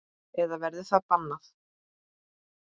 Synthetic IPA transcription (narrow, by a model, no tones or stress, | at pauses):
ɛðavɛɾðɪθaðpanːaθ